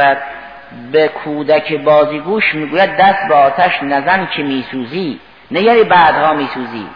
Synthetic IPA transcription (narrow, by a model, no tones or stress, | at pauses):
æd̪̚ | bekʰuːd̪ækʰebɒːziːɡuːʃmiːɡuːjæd̪̚ːæst̪̚beɒːt̪ʰæʃnæzænkʰemiːsuːziː | neɡæɾiːbæːd̪hɒːmiːsuːzḭː